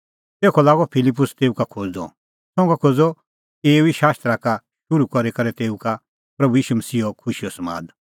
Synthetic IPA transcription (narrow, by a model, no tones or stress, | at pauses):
t̪eːkʰɔlaːɡɔpʰɪlɪp̬ːʊst̪eːukakʰoːd͡z̪ɔ̰ | sɔ̃ːũkakʰoːd͡zɔ | eːuiʃaːst̪ɾaka | ʃʊɾukɔɾekɐɾɛt̪eːuka | pɾɐbujiːʃumɐsiːɔkʰʊʃiɔsɐma̰ːd̪